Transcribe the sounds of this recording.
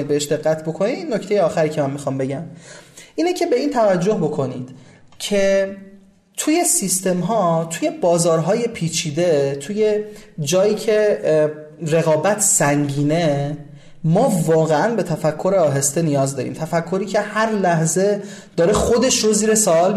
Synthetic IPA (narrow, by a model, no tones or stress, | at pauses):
id̪beeʃd̪e̞ɣːæt̪ʰbo̞kʰoniinːo̞ct̪e̞jeɒːxæɾiːcʰemæmːixɒːmbe̞ɟæmʔiːnecʰe̞be̞iːnt̪ʰævæd͡ʒːo̞hbo̞kʰo̞nid̪̥ | cʰe̞ | t̪ʰuje̞sist̪e̞mɦɒːt̪ʰuːje̞bɒːzɒːɾɦɒːje̞pʰiːt͡ʃʰiːd̪e̞t̪ʰuːje̞d͡ʒɒːjiːcʰe̞ | ɾe̞ɣɒːbæt̪ʰsæŋɟiːne̞ | mɒːvɒːɣeænbe̞t̪ʰæfækʰːo̞ɾeɒːɦe̞st̪enijɒːzd̪ɒːɾḭmt̪ʰæfækʰːo̞ɾiːcʰe̞hæɾlæhze̞d̪̥ɒːɾexod̪eʃɾoziːɾesɒːɒːl